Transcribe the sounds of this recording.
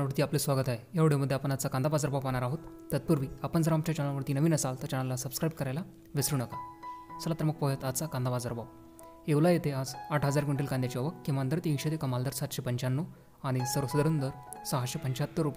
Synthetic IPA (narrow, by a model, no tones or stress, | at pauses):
ʋəɾt̪iaplesʋaɡət̪aɦejaʋɽjoməd̪ʱjeapənat͡sakand̪abad͡zəɾbawpaɳ̃aɾaɦot̪ːət̪̚puɾʋiːapənd͡zəɾamt͡ɕjat͡ɕaɽaʋəɾt̪iːnəʋiːnəsalt̪əɾt͡ɕəɽ̃alːasəbskɾajbkəɾajla | ʋesɾuːɳəkasəlat̪əɾməɡ̚pɔɦət̪at͡sakand̪abad͡zəɾbaw | eʋlajet̪ʰead͡zaʈʰɦəd͡zaɾkiɳʈilkand̪jat͡ɕiɔʋəkkːiʋand̪əɾt̪ĩɕed̪ekəmald̪əɾsat̪ɕepəɲt͡ɕanːo | aɽ̃isəɾəsud̪əɾund̪əɾ | səɦaɕepəɲt͡ɕat̪ːəɾːupa